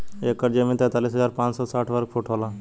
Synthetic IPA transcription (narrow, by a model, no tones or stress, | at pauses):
eːkːəɾd͡ʒemẽt̪ɛ̃ːt̪aːliːsɦəzaːɾpãːt͡ʃsɔːsaːʈʰʋəɾk̚fʰuʈʰoːlaː